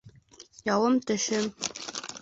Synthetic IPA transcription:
jɑwɤ̆mt̪ɘ̆ʃɘ̆m

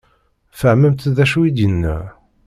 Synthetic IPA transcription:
fəʕməmt̪ðæʃuid̪jənːæ̰

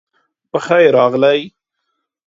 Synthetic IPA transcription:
pəxajɾɑɣlaj

